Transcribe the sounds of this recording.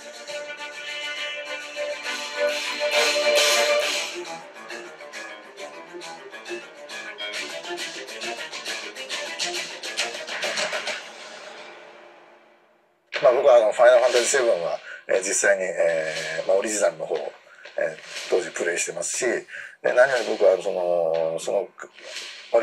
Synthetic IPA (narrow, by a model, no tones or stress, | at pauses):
maːbo̞kɯ̟βaːno̞ɸainaɾɯ̟ɸãnt̪aʑise̞βɯ̟̃ɰ̃βaḛːd͡ʑisːaiɲ̟ieːmao̞ɾʲiʑinaɾɯno̞hoː | ḛːt̪ʰo̞ːd͡ʑipɯ̟ɾe̞iɕi̥t̪e̞masɨ̥ɕid̪e̞̰naɲ̟ioɲʲibo̞kɯβaso̞nosono | o